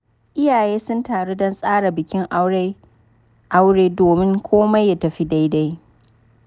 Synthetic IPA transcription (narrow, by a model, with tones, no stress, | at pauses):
ʔɪ˦jaː˨jeː˦sʊ˦ntaː˨ɽe˦dɔ˦nsʼaː˦ɽa˨bɪ˨kʲɪ˦ŋʔ | ʔa˦wɽeː˦doː˨mɪ˦ŋkʷʰoː˦ma˦jːa˦tɐ˨ɸi˦da˦jda˦j